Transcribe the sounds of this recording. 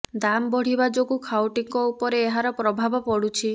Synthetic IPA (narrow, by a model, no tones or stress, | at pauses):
d̪amɔbɔɽ̤ibad͡ʒoɡukʰawʈiŋkɔupɔɾeːɦaɾɔpɾɔbʱabɔpɔɽut͡ʃʰi